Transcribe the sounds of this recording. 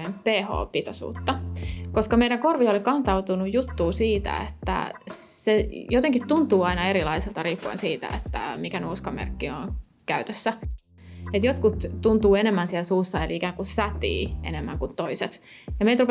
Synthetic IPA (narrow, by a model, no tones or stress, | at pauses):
empeːho̰ːpit̪osṵːt̪ːɑkoskɑmeiɾæŋkorʋiolikɑnt̪ɑut̪unujjut̪ːuːsiːt̪æ̰ḛt̪ːæ̰ | sejot̪eŋkit̪unt̪uːɑinɑeɾilɑiselt̪ɑriːpːo̰insiːt̪æ̰ḛt̪ːæ̰mikænuːskɑmḛrkːio̰n | kæyt̪øsːæ | et̪jot̪kut̪tunt̪uːenemːænsiælsuːsːɑeliikæːŋkusæt̪ḭːḛnemːæ̰ŋkut̪toiset̪jɑmeilt̪rup